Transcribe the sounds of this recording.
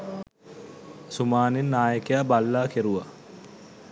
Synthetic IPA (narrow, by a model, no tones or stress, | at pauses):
sumaːninːaːjəkejabalːaːkeɾuʋa